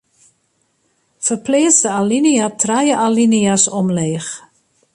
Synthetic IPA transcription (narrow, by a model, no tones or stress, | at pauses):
fərpleːsdəaliniatʰrajəʔaliniasɔmleːx